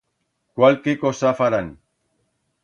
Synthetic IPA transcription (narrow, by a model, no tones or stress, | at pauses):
kwalkekosafaɾan